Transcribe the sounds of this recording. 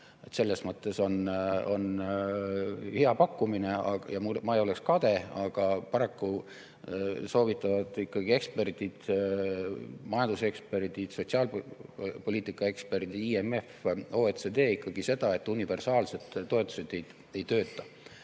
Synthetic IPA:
e̞t̪se̞lːe̞smɤt̪ːˑe̞so̞no̞̰n | heɑpɑkːumineɑ̰jɑmumɑejo̞lekskɑd̪̥e̞ɑɡ̥ɑpɑɾɑkːu | so̞ːvit̪ːˑɑvɑd̪̥ikːɑɡ̥ie̞kspe̞rd̪id̪̥ | mɑjɑnd̪use̞kspe̞rd̪id̪̥so̞t̪ʲsiɑːl | po̞liːt̪ikːˑɑe̞kspe̞rt̪iiːeme̞fo̞ːet̪sed̪eːikːˑɑɡ̥ise̞d̪̥ɑe̞t̪ːˑunive̞rsɑːlse̞d̪t̪tːoe̞t̪ːˑu̥se̞d̪̥ej̪ | e̞jt̪ø̞ːt̪ːˑɑ

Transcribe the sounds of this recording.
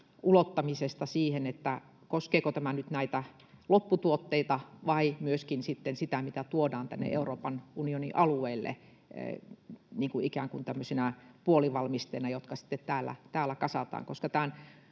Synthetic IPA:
ʔulot̪ːɑmisest̪ɑsiːhenet̪ːæ | koskeːkot̪æmænyt̪næit̪æ | lopːut̪uot̪ːeit̪ɑʋɑimyøskinsit̪ːensit̪æmit̪æt̪uodɑːnt̪æ̰nːḛʔeuroːpɑnunionḭʔɑlueilːḛ | niːŋkuikæːŋkunt̪æmːøsenæpuoliʋɑlmist̪eːnɑjot̪kɑsi̥t̪ːet̪t̪æːlːæ̰t̪æːlːˑækɑsɑt̪ɑ̰ːŋkoskɑt̪æn

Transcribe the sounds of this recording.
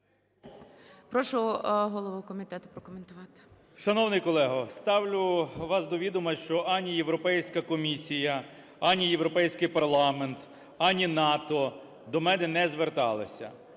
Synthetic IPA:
pɾɔʃʊɦɔlˠɔʋukɔmʲit̪ɛt̪ʊ̥pɾɔkɔment̪ʊʋɑt̪ɪ̥ | ʃɐnɔwnɪjkɔlˠɛɦɐst̪ɑwlʲʊʋɑsd̪ɔʋʲid̪ʊmɐʃt͡ʃɔʔɑnʲijewɾɔpɛjsʲkɐkɔmʲisʲijɐ | ɑnʲijewɾɔpɛjsʲkɪjpɐrlˠɑment̪ | ɑnʲinɑt̪ɔ | d̪ɔmɛnɛnɛzʋert̪ɑ̰lˠɐ̰sʲɐ̰

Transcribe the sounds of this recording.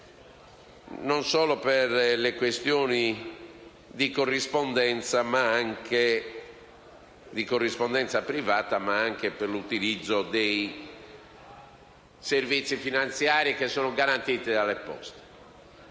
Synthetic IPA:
nɔnsɔːlɔpeɾlekwest̪jɔːni | d̪ikorːispɔnd̪ɛnt̪samaaŋke | d̪ikorːispɔnd̪ɛnt̪sapɾivaːt̪amaaŋkepeɾlut̪ilid̪zːod̪ej | servit̪sːifinant̪sjaːɾikesːɔːnɔɡaɾant̪iːt̪id̪alepɔ̰st̪e̥

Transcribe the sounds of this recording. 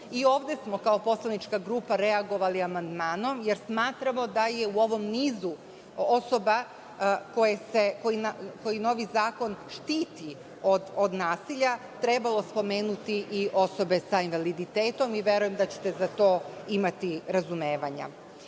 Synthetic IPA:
io̞ːʋd̪e̞smo̞kao̞po̞slˠanit͡ʃkaɡɾuːpaɾe̞aɡo̞ʋaliamand̪maːno̞mje̞ɾsmaːt̪ɾamo̞d̪ajeuo̞ʋo̞mniːzu | o̞so̞ba | ko̞jesekojinako̞jino̞ːʋizaːko̞nʃt̪iːt̪i | od̪od̪naːsiʎa | t̪ɾe̞balˠo̞spo̞me̞ːnut̪iʔiʔo̞so̞be̞sainʋalid̪it̪eːt̪o̞miʋje̞ɾuje̞md̪at͡ɕe̥t̪e̞zat̪o̞ːimat̪iɾazumeːʋaɲa̰

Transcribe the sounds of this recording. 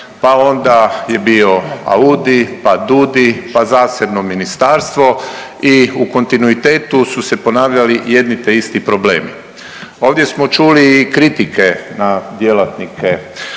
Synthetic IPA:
pao̞nd̪aje̞bio̞a̰uːd̪ipad̪ud̪ipazaːse̞bno̞minist̪aːɾst̪ʋo̞iuko̞nt̪inuit̪e̞ːt̪ususe̞po̞naːʋʎalije̞d̪nit̪eist̪ipɾo̞ble̞̰ːmḭ | o̞ːʋd̪je̞smo̞t͡ʃuliːkɾit̪ike̞nad̪jelat̪nikʰe

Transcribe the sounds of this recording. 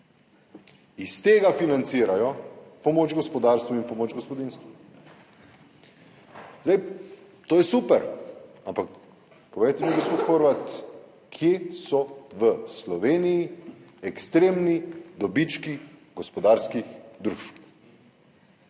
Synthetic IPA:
ist̪eːɡafinant̪siːɾajɔpɔmoːd͡ʒɡɔspɔd̪aːɾst̪ʋuinpɔmoːd͡ʒɡɔspɔd̪inst̪ʋu | zaj | t̪oːjɛsupɛɾ | ampak | pɔʋejt̪ɛmiɡospoːt̪xoːɾʋat̪ | kʰjesɔʋəslɔʋeːnijiɛkst̪ɾeːmnid̪ɔbit͡ʃkiɡɔspɔd̪aːɾskixd̪ɾuːʃp

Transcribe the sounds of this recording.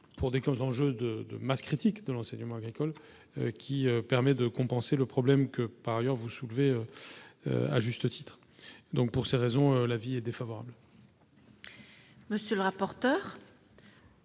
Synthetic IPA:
pʰuʁd̪ekɔzɑ̃ʒød̪əd̪ə̰maskχit̪ikd̪əlɑ̃sɛɲəmɑ̃aɡʁikɔl | økʲiøpɛʁmɛd̪əkɔ̃pɑ̃seləpχɔblɛmkəpaʁajœʁvusulveøø̰a̰ʒyst̪ət̪ʰi̥t̪χ | d̪ɔ̃k̚puʁseʁezɔ̃ølaviɛd̪efavɔʁa̰bl | məsjøləʁapɔʁt̪œːʁ

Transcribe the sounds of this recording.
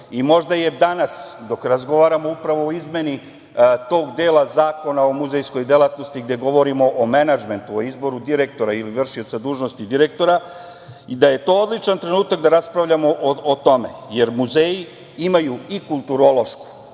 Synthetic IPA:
imo̞ʒd̪aje̞d̪anasd̪o̞kɾazɡo̞ʋaːɾamo̞upɾaʋo̞ːizmje̞ni | t̪o̞ːɡd̪e̞ːlˠazaːko̞nao̞muzejsko̞jd̪e̞lˠat̪no̞st̪iɡd̪je̞ɡo̞ʋo̞ɾimo̞ʔomenad͡ʒme̞nt̪uoizbo̞ɾud̪iɾe̞k̚t̪o̞ɾailiʋr̩ʃio̞t̪sad̪uːʒnost̪id̪iɾek̚t̪o̞ɾa | id̪aje̞t̪o̞ːod̪lˠit͡ʃant̪ɾe̞nuːt̪ak̚d̪aɾaspɾavʎamoʔoot̪o̞me̞̰je̞ɾmuzeːji | imajuikulˠt̪uɾo̞lo̞ʃku̥

